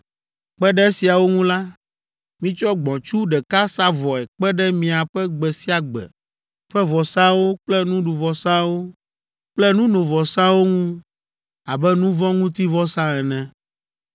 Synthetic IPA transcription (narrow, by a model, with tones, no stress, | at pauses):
k͡pɛ˦ɖɛ˦e˦si˨a˨wo˦ŋũ˦la˦ | mĩ˦t͡ʃɔ˦ɡ͡bɔ̃˨t͡ʃu˦ɖɛ˨ka˦sa˦vɔ˨ɛ˨k͡pɛ˦ɖɛ˦mĩ˨a˨ɸɛ˦ɡ͡bɛ˨si˦a˨ɡ͡bɛ̰˨ | ɸɛ˦vɔ˨sã˦wo˦k͡plɛ˦nũ˦ɖu˨vɔ˨sã˦wo˦ | k͡plɛ˦nũ˦nõ˨vɔ˨sã˦wo˦ŋũ˦ | a˨bɛ˦nũ˦vɔ̃˦ŋũ˦t̪i˦vɔ˦sã˦ɛ˨nɛ̃˨